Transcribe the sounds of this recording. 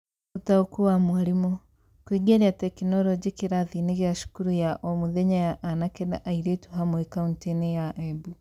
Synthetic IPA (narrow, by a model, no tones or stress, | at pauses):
otaokuwamwaɾimɔ | kwiɡeɾeatɛkinɔɾɔd͡ʒekeɾaðineɣeaʃu̥kuɾujaʔɔmoðɛɲajaʔanakeda̰ʔaiɾetuɦamwɛkauntenejaʔɛbu